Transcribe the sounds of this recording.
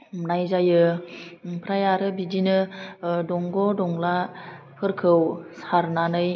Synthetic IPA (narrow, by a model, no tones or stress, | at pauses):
mnajzajɯ | pʰɾajaɾɯbidinɯdɔŋɡɔdɔŋla | pʰɯɾkʰɯwsaɾnanɯj